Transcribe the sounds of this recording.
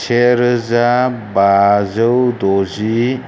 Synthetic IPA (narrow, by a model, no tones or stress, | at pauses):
t͡ʃʰeɾəzabazəwd̪ozi